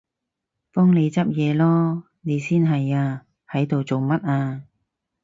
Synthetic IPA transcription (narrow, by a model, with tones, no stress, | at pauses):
pɔː˥ŋne˨˧jt͡sɐ˥p̚jɛː˨˧lɔː˥ | ne˨˧jsiː˥nɦɐ˨jaː˧ | hɐ˨˥jt̪o˨wt͡so˨wmɐ˥t̚aː˧